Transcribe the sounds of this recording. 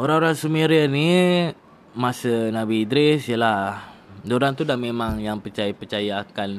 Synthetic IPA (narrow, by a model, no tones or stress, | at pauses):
oɾaŋoɾaŋsumeɾiəni | masənabiːdɾɪsjəla | dooɾaŋt̪udahmemãŋjaŋpərt͡ʃajapərt͡ʃajaːkan